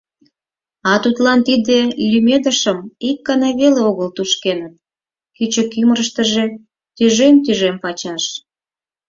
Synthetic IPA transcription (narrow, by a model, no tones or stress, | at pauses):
ɑt̪ut̪lɑnt̪id̪elʲymed̪əʃəmikːəneβeleoɣəlt̪uʃkenət̪̚ | kyt͡ɕəkyməɾəʃt̪əʒe | t̪yʒemt̪yʒempɑt͡ɕɑʃ